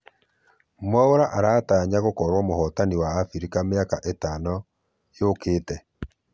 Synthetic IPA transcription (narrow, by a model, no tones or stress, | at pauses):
mɔoɾaʔaɾaːtaːɲaɣokɔɾwɔmohɔtaniwaːfiɾikameaka̰ʔetaːnɔ | jokeːtɛ